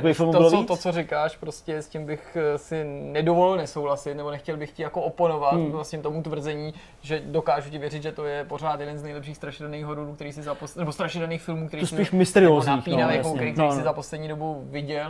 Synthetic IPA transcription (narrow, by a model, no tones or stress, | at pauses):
akoiːfɪlmt̪obɪlovot̪ot͡soɾɪkaːʃpɾoscɛscɪmbɪxsɪnɛdo̞volɪlnɛso̞wlasɪt̪nɛbonɛxcɛlbɪxcɪjakoopono̞vat̪lasɲɛmt̪omut̪vr̩zɛɲiː | ʒɛdo̞kaːʒucɪvjɛɾɪt̪ʒɛt̪o̞jɛpoɾ̝aːt̪jɛdɛnznɛjlɛpʃiːxst̪ɾaʃɪdaniːɣɦoɾunukt̪ɛɾiːsɪzaposnɛbost̪ɾaʃɪdaniːxfɪlmuːk̚t̪ɛɾisɪiːʃmɪst̪ɛɾɪoːzɲnaiːpiːnavɛkokk̪ɛɾiːkt̪ɛɾisɪzaposlɛdɲiːdo̞buvɪɟɛl